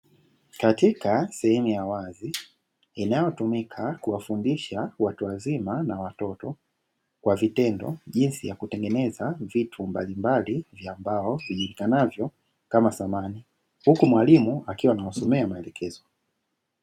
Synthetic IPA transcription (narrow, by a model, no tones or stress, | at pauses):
katikasɛhɛmujawazi | inajɔtumikʰakuwafundiʃawatuazimanawatɔtɔ | kwavitɛndɔ̰ʄinsijakutɛŋɡɛnɛzavitʰumbalimbalivjaːmbaɔviʄuɾikanavjɔ | kamasamani | hukumwalimuakiwanaɔsɔmɛamaɛlɛkʰɛzɔ